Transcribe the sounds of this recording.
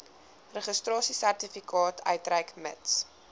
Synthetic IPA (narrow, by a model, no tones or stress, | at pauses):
rəχəstrɑːsisærtifikɑːtʰœ̰ɥtræjkmə̰ts